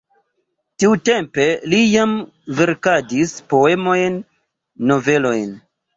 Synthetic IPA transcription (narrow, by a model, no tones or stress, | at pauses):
tiute̞mpe̞lijam | ve̞ɾkadispo̞e̞mo̞jnː | o̞ve̞lo̞jn